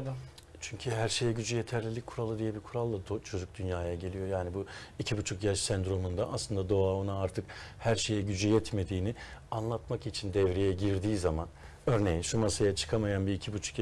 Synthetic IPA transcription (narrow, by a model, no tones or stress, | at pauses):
t͡ʃʰyɲcʰyɦæɾʃe̞jɛɟyd͡ʒyje̞t̪ʰæɾlʲilʲic̚kʰuɾalˠɯd̪ijɛbikʰuɾalˠːaot͡ʃʰo̞d͡ʒuk̚d̪ynjaːjaɟe̞lʲijo̞jaːnibuicʰibut͡ʃʰukjaʃsænd̪ɾo̞mund̪aʔaslˠɯnd̪ad̪o̞aonaaɾt̪ʰɯkhæɾʃe̞jɛɟyd͡ʒyjɛt̪me̞d̪iːnɪanlˠat̪makit͡ʃʰind̪ɛvɾejɛɟiɾd̪iːzaman | ø̞ɾne̞jinʃumasajat͡ʃʰɯ̥kʰamajanbiːcʰibut͡ʃʰu̥k